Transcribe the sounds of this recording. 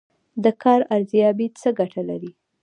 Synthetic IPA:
d̪əkʰɑɾaɾzijɑbit͡səɡaʈʰalaɾi

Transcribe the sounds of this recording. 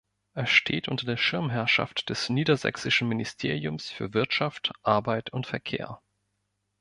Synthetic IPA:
ʔɛːɐʃtʰḛːtʔʊntɐdeːɐʃɪɐmɦɛɐʃa̰ftd̥ɛsniːdɐzɛ̰ksɪʃn̩mɪnɪstʰeːʁ̞iʊmsfyːɐvɪɐtʃaftʔaɐbaɪtʊntfɛɐkʰḛːɐ

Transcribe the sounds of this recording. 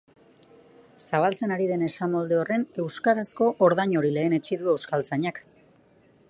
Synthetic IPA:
saβalt͡se̞naɾiðe̞ne̞samo̞ld̪e̞o̞re̞ne̞wskaɾasko̞ʔoɾðaɲo̞ɾile̞ːne̞t͡ʃiðue̞wskalt͡saɲak

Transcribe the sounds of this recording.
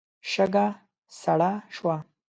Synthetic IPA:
ʃəɡa | saɽaʃwa

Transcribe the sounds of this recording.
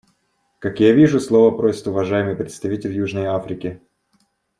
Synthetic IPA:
kakjavʲiʐʊslˠo̞vəpɾosʲɪ̥t̪ʊvɐʐajɪmɨjpɾʲɪt̪st̪ɐvʲitʲɪlʲjuʐnəjafɾʲɪkʲɪ

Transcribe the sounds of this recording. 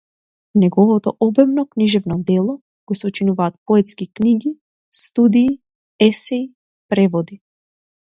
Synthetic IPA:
nɛɡɔvɔt̪ɔ̰ʔɔbɛmnɔkniʒɛvnɔd̪ɛlˠɔ | kɔjsɔt͡ʃinuvaːt̪̚pɔɛt̪skikniɡi | st̪ud̪iː | ɛsɛi | pɾɛvɔd̪i

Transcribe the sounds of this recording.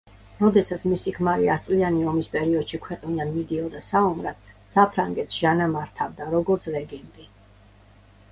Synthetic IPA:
ɾɔd̪ɛsat̪sʰmisikʰmaɾiast̪sʼlianiɔmispʼɛɾiɔd̪̥ʃikʰwɛqʼnid̪anmid̪iɔd̪asaɔmɾad̪̥sapʰɾaŋɡɛt̪sʒ̥anamaɾt̪ʰavd̪aɾɔɡɔɾt̪sʰɾɛɡɛnd̪ʼi

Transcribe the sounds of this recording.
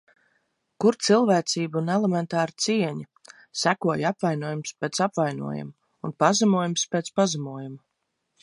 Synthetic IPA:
kuɾt̪silˠvæːt̪siːbunɛlemɛnt̪ɑːɾt̪siɛɲi | sækuɔjapvajnuɔjumspeːt̪sapvajnṵɔja̰m | unpazamuɔjumspeːt̪spazamuɔjum

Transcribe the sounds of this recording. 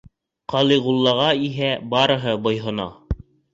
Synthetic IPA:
qɑlˠiʁulˠːɑʁɑiɦæbɑɾɤ̆ɦɤbŏjɦɤ̆nɑ̰

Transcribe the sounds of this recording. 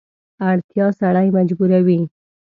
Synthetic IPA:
aɽt̪jɑsaɽajmad͡ʒbuɾawi

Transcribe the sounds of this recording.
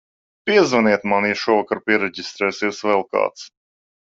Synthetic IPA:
piɛzvaniɛt̪maniʃuɔvakaɾpiɛɾɛɟist̪ɾɛːsɛwsvɛlˠka̰ːt̪s

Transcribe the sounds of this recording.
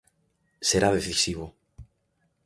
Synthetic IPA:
seɾaðeθisiβo

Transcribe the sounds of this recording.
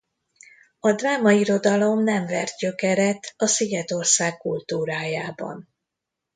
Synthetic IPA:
ɒd̪vaːmɒiɾo̞d̪ɒlo̞mnɛɱvɛ̰rt̪̚ɟø̞kɛɾɛt̪ɒsiɡɛt̪o̞rsaːkːult̪uːɾaːjaːbɒ̰n

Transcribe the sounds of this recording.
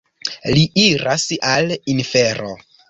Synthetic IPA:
liʔiɾasalinfeɾo̰

